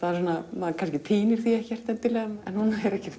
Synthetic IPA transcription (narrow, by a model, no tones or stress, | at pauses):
θaðɾsɔnːamaðkʰanscɪt̪ʰiːnɪɾ̥θiɛhcɛr̥t̪ɛnt̪ɪlɛːɣamɛnhunaɛɾɛhcɛɾ̥